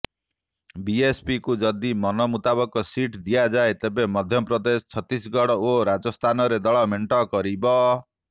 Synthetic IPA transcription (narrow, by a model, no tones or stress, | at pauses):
biespikud͡ʒɔd̪imɔnɔmut̪abɔkɔsiʈd̪ijad͡ʒaet̪ebemɔd̪ʱjɔpɾɔd̪est͡ʃʰɔt̪ːisɡɔɽɔoɾad͡ʒɔst̪ʰanɔɾed̪ɔɭɔmeɳʈɔkɔɾibɔ